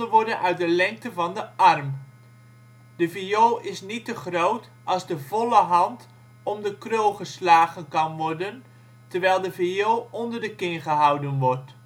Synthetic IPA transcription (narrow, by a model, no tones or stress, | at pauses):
əʋɔɹdənʔœɥt̚dəlɛŋk̚təvɑndəʔɑrm | d̥əvioːʔɪsnitəχrowt | ʔɑlˠzdəvɔləɦɑnt | ɔmdəkrølˠχəslaːχənkɑnʋɔrdən | təɹʋɛjlˠdəviowɔndərdəkɪnχəɦɑwdənʋɔrt